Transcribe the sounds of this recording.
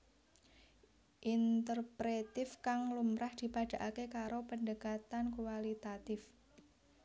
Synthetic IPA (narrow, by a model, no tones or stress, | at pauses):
ʔint̪ərpɾet̪ɪfkaŋlumɾahd̪̥i̤paɖ̥a̤ʔakekaɾopəndəkat̪ankuwalit̪at̪ɪf